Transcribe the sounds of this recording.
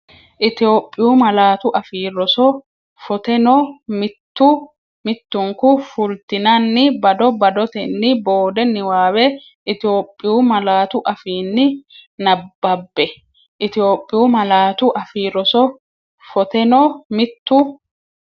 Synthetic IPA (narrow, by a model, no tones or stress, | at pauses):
ʔɪt̪ɪjo̞ːpʼːɪjuːmɐlaːt̪ʊʔɐfiːɾɔsɔ | fɔt̪ɛnɔmɪt̪ːʊ | mɪt̪ːʊŋkʊfʊlt̪ɪnɐnːɪbɐd̪ɔbɐd̪ɔt̪ɛnːɪboːd̪ɛnːɪwaːwɛ | ʔɪt̪ɪoːpʼːɪjuːmɐlaːt̪ʊʔɐfiːnːɪnɐbːɐbːɛ | ʔɪt̪ɪjo̞ːpʼːɪjuːmɐlaːt̪ʊʔɐfiːɾɔsɔ | fɔt̪ɛnɔmɪt̪ːʊ